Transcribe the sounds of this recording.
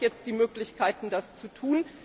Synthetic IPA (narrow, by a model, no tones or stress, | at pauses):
jɛt͡st̚d̥iːmøːklɪçkʰaɪtn̩dast͡sutʰuːn